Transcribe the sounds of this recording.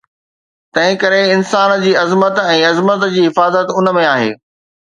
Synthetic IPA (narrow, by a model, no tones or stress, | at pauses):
t̪ɐ̃ɦɪ̃kɐɾeɪnsaːnd͡ʑiːɐzmət̪ɛ̃ːɐzmət̪d͡ʑiːɦɪfaːzət̪ʊnə̆mẽaːɦḛː